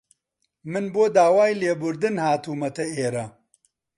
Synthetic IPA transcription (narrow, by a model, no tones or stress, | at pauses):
mɨnboːd̪aːwaːjleːbʊɾd̪ɨnhaːt̪uːmɐt̪ʰɐeːɾɐ